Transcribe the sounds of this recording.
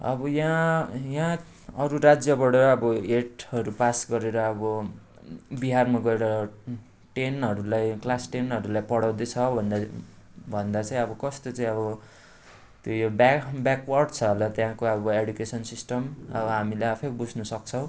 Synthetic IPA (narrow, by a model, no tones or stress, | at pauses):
ʌ̰bʌjãjã | ʌɾuɾad͡zjʌbʌɽʌːbʌeʈɦʌɾupasɡʌɾeɾʌːbʌ | biɦarmaɡʌeɾʌ | ʈenɦʌɾulajklasʈenɦʌɾulajpʌɽaw̃d̪ʌt͡sʰʌbʱʌnd̪ | bʱʌnd̪at͡sʌ̃ĩʌbʌkʌst̪ot͡saĩʌbʌ | t̪jojobbjakwʌrɖt͡sʰʌɦlʌt̪jãkoʌbʌeɖjukesʌnsisʈʌmʌ̰bʌɦamilajapʰek̚bud͡znʌsʌkt͡sʰʌw̃